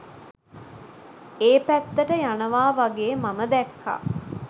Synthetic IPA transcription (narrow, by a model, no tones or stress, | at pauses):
eːpæt̪ːəʈəjanəʋaːʋaɡeːmaməd̪ɛkʰːa̰